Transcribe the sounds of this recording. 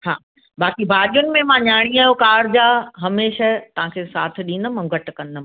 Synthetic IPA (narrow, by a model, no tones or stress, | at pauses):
ha̰ː | baːkibʱaːɗijʊnɪ̆mẽmãɲaːɽ̃iaːjokaːɾd͡ʑaːɦɐmeːʃət̪ɐʋ̤ãkʰesaːt̪ʰɪ̆ɗĩːnd̪əmɐ̃ɡɐʈ̆kɐnəm̃